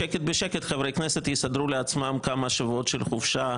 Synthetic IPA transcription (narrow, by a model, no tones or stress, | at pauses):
eket̪̚beʃeket̪χevʁejkneset̪jisad̪ɾuleat͡smamkamaʃavuot̪ʃelχufʃa